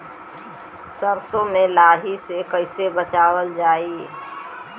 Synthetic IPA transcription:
səɾsomẽlaːɦisekəɪsebət͡ʃaːwəld͡ʒaːi

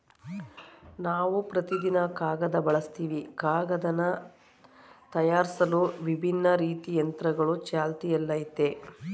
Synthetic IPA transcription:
naːʋupɾɐt̪id̪inɐkaːɡɐd̪ɐbɐɭɐst̪iːʋikaːɡɐd̪ɐnːɐ | t̪ɐjaːɾisɐluʋibʱinːɐɾiːt̪ijɐnt̪ɾɐɡɐɭut͡ʃaːlt̪ijɐlːɐjit̪e

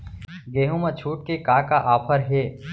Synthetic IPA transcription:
ɡeːɦũmɐt͡ʃʰuːʈ̚kekaːkaʔaːpʰəɾɦeː

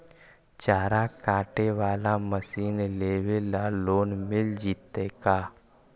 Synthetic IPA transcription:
t͡ʃaːɾakaːʈeʋaːlaməsiːnleːʋelaloːnmɪld͡ʒiːt̪ekaː

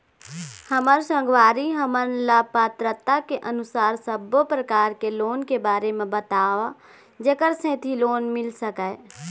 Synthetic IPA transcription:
həməɾsə̃ŋɡwaːɾiɦəmənlapət̪ɾət̪akeʔənʊsaːɾsəbopɾəkaːɾkeloːnkebaːɾemẽbət̪aːʋa | d͡ʒekəɾsẽːt̪ʰiloːnmɪlsəkɛ

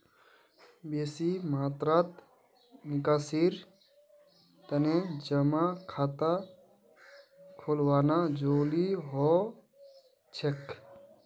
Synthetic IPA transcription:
beːsimaːt̪ɾat̪ | nikaːsiɾ | t̪əned͡ʒəmakʰaːt̪a | kʰolwaːnad͡ʒoːliɦɔ | t͡ʃʰek

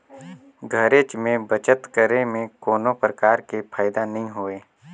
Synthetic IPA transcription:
ɡʱəɾeːt͡ʃmẽbət͡ʃət̪kəɾemẽkoːnopɾəkaːɾkepʰaːɪd̪anɐɦĩɦoːeː

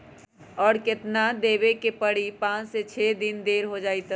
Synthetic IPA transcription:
ɔːɽkɪt̪nad̪eːbekepəɽipãːt͡ʃset͡ʃʰed̪ind̪eːɾɦod͡ʒaːit̪

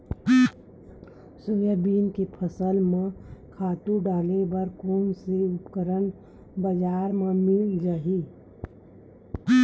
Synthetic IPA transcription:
sojəbiːnkepʰəsəlmẽkʰaːt̪ũɖaːlebəɾkoːnseʊpkəɾən | bəd͡ʒaːɾmẽmɪld͡ʒaːɦi

